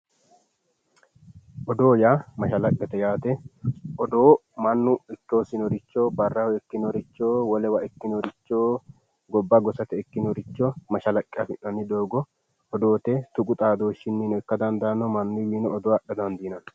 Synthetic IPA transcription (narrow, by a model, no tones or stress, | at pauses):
ʔɔd̪o̞ːjaːmɐʃɐlɐkʼːɛt̪ɛjaːt̪ɛʔɔd̪oːmɐnːʊɪkːoːsɪnɔɾɪt͡ʃːoːbɐrːɐhɔɛkːɪnɔɾɪt͡ʃːoːwɔlɛwɐɛkːɪnɔɾɪt͡ʃːoː | ɡɔbːɐɡɔsɐt̪ɛɛkːɪnɔɾɪt͡ʃːɔmɐʃɐlɐkʼːɛɐfɪʔːɐnːɪd̪oːɡɔ | ɔd̪o̞ːt̪ɛt̪ʊkʼʊt̪ʼaːd̪o̞ːʃːɪnːinɔɛkːɐd̪ɐnd̪aːnːɔmɐnːʊwiːnɔːd̪ɔwaɗːɐd̪ɐnd̪iːnɐn